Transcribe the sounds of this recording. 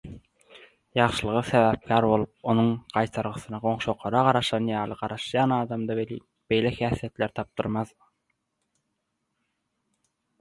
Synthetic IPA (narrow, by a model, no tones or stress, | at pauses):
jɑʁʃɯlˠɯʁɯseβæp̚kʲʰæɾbo̞lˠup̚o̞nuŋqɑjt̪ʰɑɾʁɯθɯnɑʁo̞ŋʃo̞qʰˠɑɾɑʁɑɾɑʃɑnjɑːlˠɯqɑɾɑʃjɑːnɑːd̪ɑmd̪ɑβelḭː | b̥e̞jlʲexæːθijet̪leɾt̪ʰɑp̚d̪ɯɾmɑð